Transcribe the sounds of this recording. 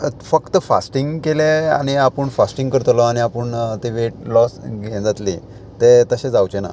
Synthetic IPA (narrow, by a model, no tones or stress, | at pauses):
fəkt̪əfa̰sʈiŋɡkelea̰ɽ̃iapəɳfasʈĩŋɡkəɾt̪lɔaɽ̃iapəɳt̪eʋeʈ̚lɔsɡẽd͡zat̪lḭ | t̪et̪əɕed͡zawt͡ɕena̰